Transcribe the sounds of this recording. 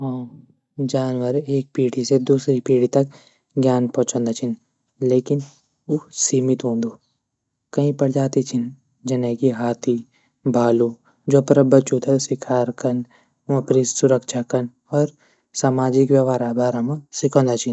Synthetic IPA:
ɦõ | d͡ʒaːnʋəɾeːk̚piːɽised̪uːsɾipiːɽ̤it̪ɐk̚ | ɡjaːnpɔ̃ːt͡ʃõːnd̪at͡ʃʰin | leːkɪn | usiːmɪt̪ɦõːnd̪oː | kɐɦĩpɐɽd͡ʒaːt̪it͡ʃʰɪn | d͡ʒɐnekiɦaːt̪ʰi | bʱaːlu | d͡ʒoːpɾɐbɐt͡ʃut̪ʰesɪkʰaːɾkɐn | ɐ̃pɾiːssʊɾəkʃakɐn | ɔːɾ | saːmaːd͡ʒɪkʋjɐʋaːɾabʱaːɾamãsɪkʰõːnd̪at͡ʃʰin

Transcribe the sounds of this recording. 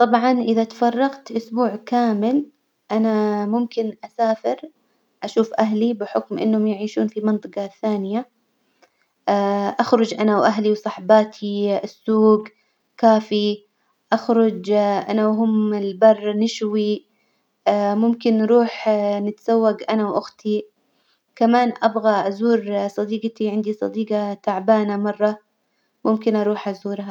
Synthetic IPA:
t̪ˤɑbʕɑnʔɪðat̪ḁfɑrˤːɑqt̪ʔʊsbuːʕkaːmɪl | ʔanamʊmkɪnʔasaːfɪɾ | ʔaʃuːfʔaɦlibɪħʊkmʔɪ̰nːhʊmjɪʕiːʃuːnfimɨnt̪ˤɨqɑθːaːnɪja | ʔaxɾˤʊd͡ʒʔanawʔaɦliwsˤɑħbaːt̪ʰiɪsːuːɡ | kaːfi | ʔaxɾˤʊd͡ʒʔa̰nawɦʊmɪlbɑrˤːnɪʃwi | mʊmkɪnːɾuːħnɪt̪z̥awːaɡʔanawʔʊxt̪ʰi | kamaːnʔabɣaʔazuːɾsˤɑd̪iːɡt̪iʕɪnd̪isˤɑ̰d̪iːɡɑt̪aʕbaːnamɑrˤːɑ | mʊmkɪnʔɑɾˤuːħʔazuːɾɦa

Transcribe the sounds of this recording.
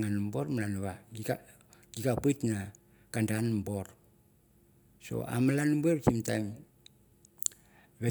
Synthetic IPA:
ŋanmbo̞ɾmalanβaia | ɡiɡapɨjtna | kandanmbo̞ɾ | so̰a̰malanbueβsimtajm | βe

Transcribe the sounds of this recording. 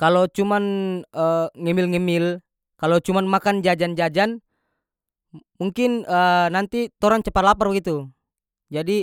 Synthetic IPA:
kalot͡ʃumanəŋɛmɪlŋɛmɪl | kalot͡ʃumanmakand͡ʒad͡ʒand͡ʒad͡ʒan | muŋkɪnənant̪it̪ɔɾant͡ʃəpat̪laparbəɡit̪u | d͡ʒadi

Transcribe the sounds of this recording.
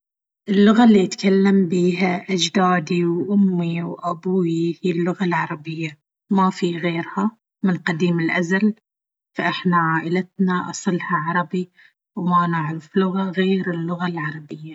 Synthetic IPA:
ʔɪlːʊɣalːiʔɪt̪kalːambiːɦaʔad͡ʒd̪aːd̪iwʔʊmːiwʔabuːihiːlːʊɣalʕɑɾˤɑbɪjːa | mafiɣeːɾha | mɪnqɑd̪iːmɪlʔazal | faʔɪħnaʕaːʔɪlat̪naʔɑ̰sˤɨlhɑʕɑɾˤɑbi | wmanaʕɾɪflʊɣaɣeːɾɪlːʊɣalʕɑɾˤɑbɪjːa

